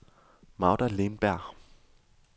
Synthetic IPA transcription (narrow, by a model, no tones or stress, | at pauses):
mɑ̈ʊdælenb̥æɐ̰